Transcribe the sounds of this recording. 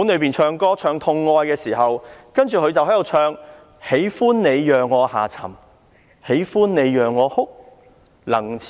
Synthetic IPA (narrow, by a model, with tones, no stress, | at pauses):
uː˨˥nlɵ˨˧ɥpiː˨nt͡ʃʰœː˧ŋkɔː˥t͡ʃʰœː˧ŋt̪ʰʊ˧ŋːɔː˧jkɛː˧siː˨˩ɦɐ˨wkɐ˥nt͡ʃyː˨kʰɵ˧ɥt͡sɐ˨whɦɐ˨˥j̪o˨wt͡ʃʰœː˧ŋ | he˨˥jfuː˥nne˨˧jjœː˨ŋːɔː˨˧ha̰ː˨˩t͡sʰɐ̰˨˩m | he˨˥jfuː˥nne˨˧jjœː˨ŋːɔː˨˧hʊ˥k̚ | lɐ˨˩ŋʰ